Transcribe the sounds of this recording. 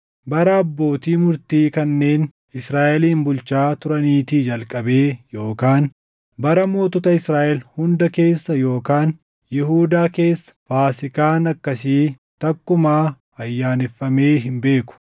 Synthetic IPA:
bɐɾɐɐbːo̞ːt̪iːmʊɾt̪iːkɐnːe̞ːn | ɪsɾaːʔɛliːnbʊlt͡ʃaːt̪ʊɾɐniːt̪id͡ʒɐlkʼɐbe̞ːjo̞ːkaːn | bɐɾɐmo̞ːt̪ɔt̪ɐɪsɾaːʔɛlhʊnd̪ɐke̞ːsːɐjo̞ːkaːn | jɪhuːd̪aːke̞ːsːɐ̥faːsɪkaːnɐkːɐsiː | t̪ɐkːʊmaː | ɐjːaːnɪfːɐme̞ːɦɪmbe̞ːkʊ̥

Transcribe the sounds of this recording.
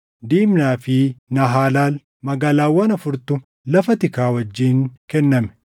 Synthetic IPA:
d̪iːmnaːfɪnɐɦaːlaːl | mɐɡaːlaːwːɐnɐfʊɾt̪ʊ | lɐfɐt̪ɪkaːwɐd͡ʒːiːŋkɛnːɐmɛ̥

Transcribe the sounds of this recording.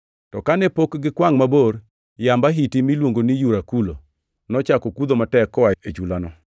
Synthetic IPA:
tɔkanɛpokɡɪkwaŋmaboɾ | jambaɦitimilwoŋɡonijuɾakulo̰ | nɔt͡ʃakokud̪omatɛkːɔaet͡ʃulanɔ

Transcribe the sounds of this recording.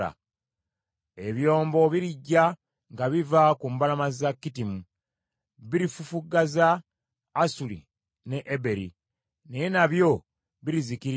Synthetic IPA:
a̰ | e̞βjo̞ːmbo̞βiɾiɟːa | ŋɡaβivakumbalamazakːitimu | βiɾifufuɡːazaː | sulḭ | ne̞ʔebe̞ɾḭ | nejenaβjo̞ | βiɾizikiɾ

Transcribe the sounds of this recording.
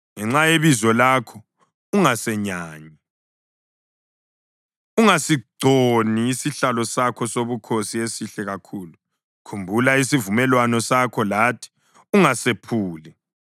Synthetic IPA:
ŋɛŋ͡ǁajeβizɔlakʰɔ | uŋasɛɲaːɲi | uŋasiǀoniːsiɬalɔsakʰɔsoβukʰosiesiɬɛɣakʰuːlu | kʰumbʱulaisivumɛlwanɔsakʰɔlaːtʰi̥ | uŋasepʰuːli

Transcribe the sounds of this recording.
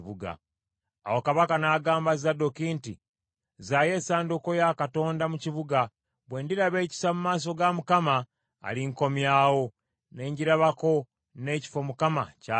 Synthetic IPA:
βuɡa̰ | a̰wokaβakanaːɡaːmbazadokinti | zaje̞ːsaːnduko̞jakato̞ːndamuciβuɡa | βwe̞ːndiɾaβe̞ːci̥samumaːs̬o̞ɡamukama̰ː | liŋko̞mjaːwo̞ | ne̞ːɲɟiɾaβako̞ | ne̞ci̥fo̞mukamaca

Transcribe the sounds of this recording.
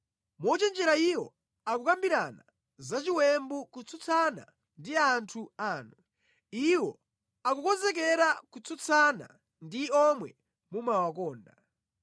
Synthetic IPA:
mɔt͡ʃɛnd͡ʒɛɾaiwɔ | akukambiɾa̰na | zat͡ʃiwɛmbukut͡sʰut͡sʰana̰ | ndiantʰuaːnu | iwɔ | akukɔnzɛkɛɾakut͡sʰut͡sʰana̰ | ndiɔmwɛ̰ | mumawakɔːnda

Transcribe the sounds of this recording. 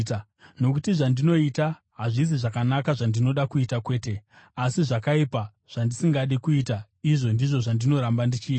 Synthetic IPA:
no̞kutiʐandino̞ita | ɦaʐis̬iʐakanakaʐandino̞ɗakuitakwe̞ːte̞ | asiʐakaipa | ʐ̥andisiŋɡaɗikuita | iʐo̞ndiʐo̞ʐandino̞ɾambandit͡ʃiːta

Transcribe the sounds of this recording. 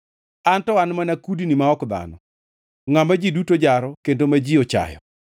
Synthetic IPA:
antɔanmanakudinimaɔkd̪a̰nɔ | ŋamad͡ʒidutod͡ʒaɾɔkendomad͡ʒiɔt͡ʃa̰jɔ̰

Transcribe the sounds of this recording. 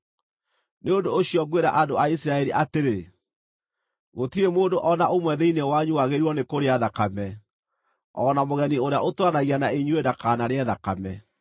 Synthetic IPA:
neondoːɕiɔɡweɾa̰ʔandoaisiɾaɛɾiʔateɾe | ɣotiemoːndoʔɔnaʔomwɛðɛinewaɲuwaɣeɾiɔnekoɾeaðakamɛ | ɔnamoɣɛnioɾeaʔotwanaɣianaeɲuedakanaɾeɛðakamɛ

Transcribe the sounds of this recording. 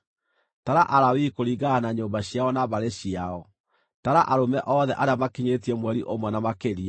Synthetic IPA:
taɾaʔaɾawikoɾiɡanaɲoːmbaɕjaɔnaβaɾeɕiaɔ | taɾaʔaɾomɛʔɔðɛʔaɾeamakiɲetiɛmwɛɾiʔomwɛnamakeɾia

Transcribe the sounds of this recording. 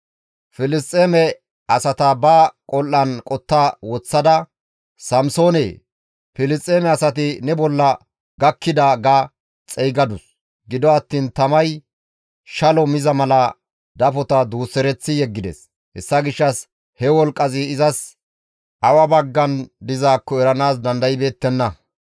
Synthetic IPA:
fɪlɪst̪ʼːeːmɛ | ɐsɐt̪ɐbɐkʼɔlʔːɐnkʼɔt̪ːawɔt͡sːɐd̪ɐ | sɐmso̞ːneː | fɪlɪst̪ʼːeːmɛɐsɐt̪ɪnɛbɔlːɐ | ɡɐkːɪd̪ɐɡa | t͡sʼɛjɡɐd̪ʊs | ɡɪd̪ɔɐt̪ːiːnt̪ɐmɐj | ʃɐlɔmɪzɐmɐlɐ | d̪ɐfɔt̪ɐd̪uːsːɛɾɛt͡sːɪjɛɡːɪd̪ɛ̰s | hɛsːɐɡɪʃːɐs | hɛwɔlkʼːɐzɪːzɐs | ʔɐwɐbɐɡːɐnd̪ɪzaːkːɔɛɾɐnaːsd̪ɐnd̪ɐjɪbe̞ːt̪ːɛnːɐ

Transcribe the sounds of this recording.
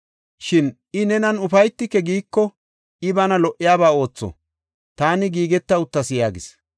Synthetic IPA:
ʃɪn | ɪnɛnɐnʊfɐjt̪ːɪkːɛɡiːkːɔ | ɪbɐnɐlɔʔɪjaːbaːo̞ːt͡sːɔ̰ | t̪aːnɪɡiːɡɛt̪ːɐʊt̪ːɐsɪjaːɡɪ̰s

